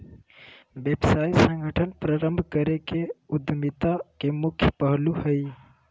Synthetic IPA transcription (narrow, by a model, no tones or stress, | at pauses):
bebsajsə̃ŋɡʱəʈʰənpɾaɾəmbʱkəɾekeud̪ʱmit̪akemukʰjpəɦluhəj